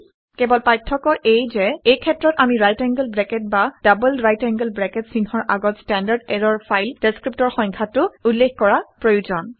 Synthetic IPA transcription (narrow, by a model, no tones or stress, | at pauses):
kɛbɔlpajtʰːɔkɔʔejzɛejkʰɛtːɹɔtamiɹajtɛŋɡəlbɹɛkɛt̚bad̥abəlɹajtɛŋɡəlbɹɛkɛtsinhɔɹʔaɡɔtstɛndaɹdɛɹɔɹpʰajld̥eskɹip̚tɔɹxɔŋkʰatʊulːexkɔɹapɹojuzɔn